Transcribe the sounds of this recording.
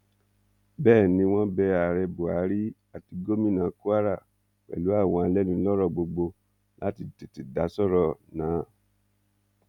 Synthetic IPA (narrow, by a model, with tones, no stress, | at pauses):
bɛː˦˨nĩ˧w̃ɔ̃˦bɛ˧a˨ɾɛ˧bo˨a˨˦ɾi˦a˨ti˨˧ɡo˦mĩ˦˨nã˨˦ku˦a˦ɾa˦˨ | wɛ̰˨lu˨˦a˦˨w̃ɔ̃˧a˧lɛ˦nũ˧lɔ˦ɾɔ˦˨ɡ͡bo˧ɡ͡bo˧ | la˦ti˧te˨ti˨da˨˦sɔ˦˨ɾɔ˨nãː˨˦